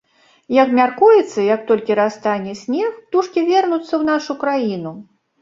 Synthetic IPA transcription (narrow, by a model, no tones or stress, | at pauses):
jɐkmʲarkujɛt̪sːɐjɐk̚t̪ɔlʲkʲiɾast̪anʲɛsʲnʲɛxt̪uʂkʲivʲɛrnut̪sːɐwn̪aʂukɾajinu